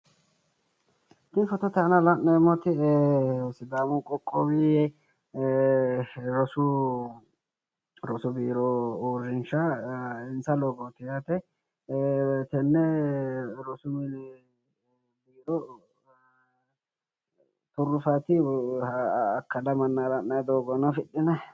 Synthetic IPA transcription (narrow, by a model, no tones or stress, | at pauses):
t̪ɪnfɔt̪ːɔt̪ɐɐnɐlɐnːɐmɔt̪ɪ | sɪd̪aːmʊkʼɔkʼːɔwi | ɾɔsʊ | ɾɔsʊbiːɾɔoːrɪnʃɐɪnsɐlɔɡɔt̪ɪjat̪ɛ | t̪ɛnːɛ | ɾɔsʊmɪ | biːɾɔ | t̪ʊrːʊfɐt̪ɪ | kːɐlɐmɐnːalɐnːɐjd̪oːɡɔnɐfɪɗːɪnɐ